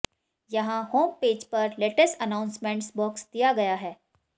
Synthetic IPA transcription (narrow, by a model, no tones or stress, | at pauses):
jɐɦãɦoːmpeːd͡ʒpɐɾleːʈəsʈənãːʊ̃nsmẽɳʈsbɔːksd̪̥ijaɡɐjaɦɛː